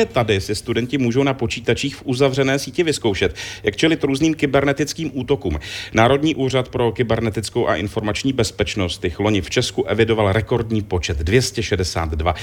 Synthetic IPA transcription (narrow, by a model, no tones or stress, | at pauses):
ɛt̪adɪsɪst̪udɛncɪmuːʒo̞wnapo̞t͡ʃiːt̪at͡ʃiːxfʔuzavr̝ɛnɛːsiːcɪvɪsko̞wʃɛt̪jakt͡ʃɛlɪt̪ɾuːzniːmkɪbɛɾnɛt̪ɪt͡skiːmʔuːt̪o̞kuːmnaːɾo̞dɲiːʔuːr̝at̪pɾo̞kɪbɛɾnɛt̪ɪt͡skowʔa̰ʔɪnfo̞ɾmat͡ʃɲiːbɛspɛt͡ʃno̞st̪jɪxlo̞ɲɪft͡ʃɛskuʔɛvɪdo̞valɾɛko̞ɾdɲiːpo̞t͡ʃɛt̪dvjɛscɛʃɛdɛsa̰ːt̪dva